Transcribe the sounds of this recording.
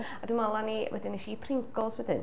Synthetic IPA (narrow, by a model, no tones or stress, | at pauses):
adumalˠaniwʔɛ̰dɪnɪʃipʰrɪŋkɔlˠswɛdɪ̰n